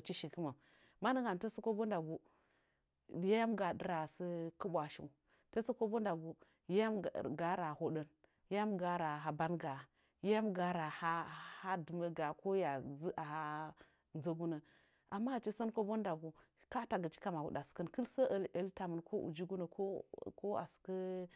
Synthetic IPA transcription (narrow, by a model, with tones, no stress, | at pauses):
t͡ʃi˦ʃi˨kə˦ma˨ | ma˦nə˦ŋɡa˨m˨to˦sə˦ko˦bo˦nda˨ɡu˨˦ | ja˦ja˦mɡa˨də˦ɾa˨sə˦kɨ˦bʷa˨ʃḭ˨ | to˦sə˦ko˦bo˦nda˨ɡu˨ | ja˦ja˦mɡa˨˦ɾa˨ho˨ɗə˦n | ja˦ja˦mɡa˨ɾa˨ɦa˨ba˦nɡa˨ | ja˦ja˦mɡa˨ɾa˨ha˦ha˦dɨ˨mə˦ɡa˨ko˦ja˨zə˦ʔa˨ha˦ | n˦zə˦ɡu˦nə˨ | a˨mːa˦˨t͡ʃi˦sə˦nko˦bo˦nda˨ɡu˨ | ka˦ta˨ɡə˨t͡ʃi̥˦ka˦ma˨ṵ˨da˨skə˦nkə˦lsə˦ʔə˨˦lə˨lta˨mə˨nkʰo˦ʔṵ˨d͡ʒi˦ɡu˦nə˨ko˦ko˦a̰˨su̥˨kə˦